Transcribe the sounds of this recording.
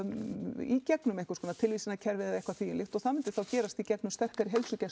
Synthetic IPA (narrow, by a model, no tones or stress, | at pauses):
icɛknʏmejŋkʏ̥skɔːnat̪ʰɪlvisɪnaðcʰɛɾvɪðaðejhkvaθiːjɪnɪft̪ɔɣθaðmɪnt̪ɪ̥ɾ̥θawcɛːɾast̪icɛknʏmst̪ɛr̥kaɾɪɦejlsʏcɛ